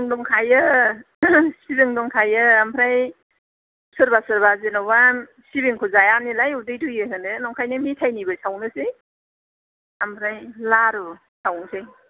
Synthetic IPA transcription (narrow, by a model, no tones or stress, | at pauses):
ŋdɔŋkʰajɯ | sibiŋdɔŋkʰajɯampʰɾaj | sɯɾbasɯɾbazenɔbam | sibiŋkʰuzajanilajudɯjdɯjɯɦɯnɯnɔŋkʰajnɯmitʰajnibɯjsawnɯsej | ampʰɾajlaɾu | sawnsej